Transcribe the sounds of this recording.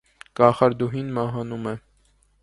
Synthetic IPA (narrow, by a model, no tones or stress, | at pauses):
kɑχɑɾd̪uɦinmɑɦɑnumɛ